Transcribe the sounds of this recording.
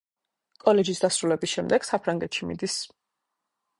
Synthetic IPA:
kʼɔlɛd͡ʒisd̪asɾulɛbisʃɛmd̪ɛɡ̥sapʰɾaŋɡɛt̪ʰʃimḭd̪is

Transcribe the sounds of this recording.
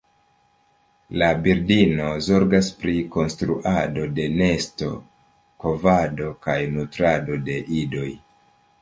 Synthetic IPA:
labiɾdino̞zo̞ɾɡaspɾiko̞nstɾuʔado̞de̞ne̞sto̞̰ | ko̞vado̞kajnutɾado̞de̞ʔido̞j

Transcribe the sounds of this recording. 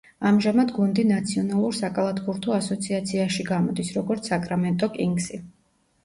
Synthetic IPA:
amʒamad̪ɡund̪inat̪sʰiɔnalˠuɾsakʼalˠat̪ʰbuɾt̪ʰɔasɔt̪sʰiat̪sʰiaʃiɡamɔd̪isɾɔɡɔɾt̪sakʼɾamɛnt̪ʼɔkʼiŋɡsi

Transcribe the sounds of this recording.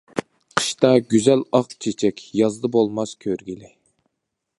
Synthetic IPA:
qʰə̥ʃt̪ɑɡʲyzɛlɑqt͡ʃʰet͡ʃʰɛkʲjɑzd̪ɨbolˠmɑskʲʰøɾɡʲilɪ

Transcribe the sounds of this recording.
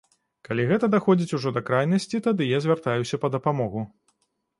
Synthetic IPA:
kalʲiɣɛt̪ɐd̪axɔd͡zʲit͡sʲuʐɔd̪ɐkɾajnɐsʲt͡sʲit̪ad̪ɨjazʲvʲart̪ajusʲɐpɐd̪ɐpamɔɣu

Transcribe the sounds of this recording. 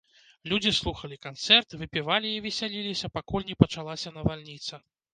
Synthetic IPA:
lʲud͡zʲislˠuxɐlʲikant̪sɛrt̪vɨpʲivalʲiivʲɛsʲalʲilʲisʲɐpakulʲnʲɛpɐt͡ʂalˠasʲɐnɐvalʲnʲit̪sɐ

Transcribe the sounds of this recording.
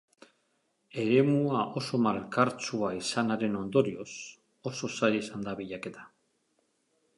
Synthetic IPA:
e̞ɾe̞muaʔo̞so̞malkaɾt͡suaisanaɾe̞no̞nd̪o̞ɾio̞s | o̞so̞sajesand̪aβiʎake̞t̪ḁ

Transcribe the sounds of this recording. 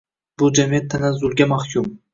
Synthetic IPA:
b̥ʊd͡ʒamiat̪ʰːanazʊlɡʲamaχkʰʲum

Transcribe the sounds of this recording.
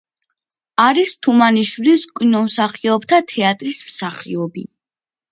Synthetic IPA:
aɾist̪ʰumaniʃwiliskʼwinɔmsaχiɔbt̪ʰat̪ʰɛat̪ʼɾismsaχiɔbi

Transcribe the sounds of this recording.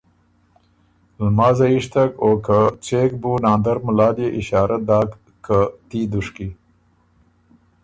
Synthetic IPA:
lmɑːzɐiʂt̪ɐkoːkat͡ʃek̚bunaːnd̪ɐɾmʊlɑːljeʔɪɕaːɾɐd̪aːk | kːət̪iːd̪uʂki

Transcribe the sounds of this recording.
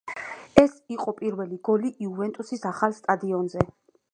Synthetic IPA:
ɛsiqʼɔpʼiɾvɛliɡɔliʔiuvɛnt̪ʼusisaχalˠst̪ʼad̪iɔnzɛ

